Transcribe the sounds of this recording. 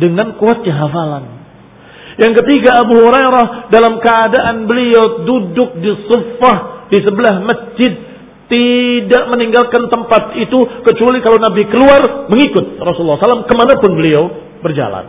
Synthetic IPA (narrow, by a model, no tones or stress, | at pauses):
dəŋankuat̪̚ɲaɦafalan | jaŋkət̪iɡaːbuɦuɾajɾahdalamkəadaʔanbəliawdudʊk̚disufahdisəbəlahməsd͡ʒɪd̪̚ | idaʔməniŋɡalkant̪əmpat̪it̪ukət͡ʃualikalawnabikəluarməŋikʊt̪̚rɔsulːɔsalamkəmanapʊnbəliaw | bərd͡ʒa̰la̰n